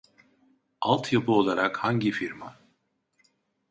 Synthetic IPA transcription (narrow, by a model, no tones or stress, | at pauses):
alˠt̪ʰjapʰuo̞lˠaɾakhaɲɟifiɾma